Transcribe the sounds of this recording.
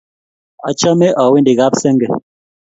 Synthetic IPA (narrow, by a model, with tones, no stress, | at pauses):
ɔ̰˨t͡ʃɔ˦me˦ʔɔ˨wi˦ndi˨ɡa˦psɛ˦ŋɡɛ˨